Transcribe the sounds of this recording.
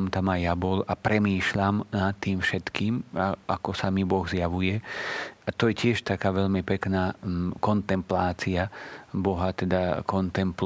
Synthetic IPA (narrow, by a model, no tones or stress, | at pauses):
mt̪amajabɔlapɾɛmiːʃʎamnat̪ːiːmfʃɛt̪kiːmaʔakɔsamibɔɣzjaʋujɛat̪ɔjɛcɪɛʃt̪akaːʋɛʎmipɛknaːkɔnt̪ɛmplaːt͡siabɔɦat̪ɛd̪akɔnt̪ɛmpl